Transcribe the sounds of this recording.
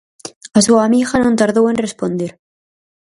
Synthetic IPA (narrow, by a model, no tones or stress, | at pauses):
asuamixanõnt̪aɾðowẽ̞nrespo̞nd̪eɾ